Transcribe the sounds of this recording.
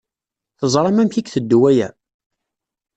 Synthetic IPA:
θəzˤɾˤɑmæmçikθəd̪ːwæjæ̰

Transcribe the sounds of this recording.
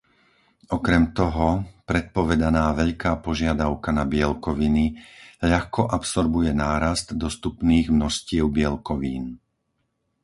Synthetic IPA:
ɔkɾɛmt̪ɔɦɔpɾɛt̪̚pɔʋɛd̪anaːʋɛʎkaːpɔʒɪad̪aʊkanabɪɛlkɔʋiniʎaxkɔʔapsɔɾbujɛnaːɾazt̪d̪ɔst̪upniːɣmnɔscɪɛʊbɪɛlkɔʋiːn

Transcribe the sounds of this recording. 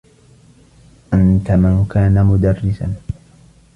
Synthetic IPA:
ʔant̪amankaːnamʊd̪ɑrːɪsa̰n

